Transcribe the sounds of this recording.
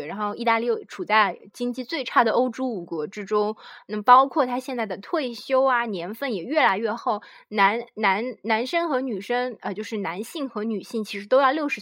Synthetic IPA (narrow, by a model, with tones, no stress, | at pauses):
ɻa˧˥nxo˥˧ʊi˥˧t̪a˥˧li˥˩ʈ͡ʂʰu˨˩t͡sa˥˩ɪt͡ɕi˥ŋt͡ɕi˥˧t͡swe˥˧ɪʈ͡ʂʰa˥˩d̪ə˩o˥ʊʈ͡ʂu˥u˨˩kwɔ˧˥ʈ͡ʂɻ̩˥ʈ͡ʂʊ˥ŋna˥˩mə˩pɑ˥ʊkʰwɔ˥˩t̪ʰa˥ɕjɛ˥˧nt͡sa˥˩d̪ə˩t̪ʰwe˥˩ɪɕjo˥ʊa˨˩njɛ˧˥nfə˥˩njɛ˨˩ɥɛ˥˩la˧˥ɪɥɛ˥˧xo˥˩ʊ | na˧˥nna˧˥nna˧˥nʂɤ˥ŋxɤ˧˥ny˨˩ʂə˥ŋə˧t͡ɕjo˥˧ʊʂɻ̩˥˩na˧˥nɕi˥˩ŋxɤ˧˥ny˨˩ɕi˥˩ŋt͡ɕʰi˧˥ʂɻ̩˧˥t̪o˥ʊjɑ˥˧ljo˥˩ʊʂɻ̩˧˥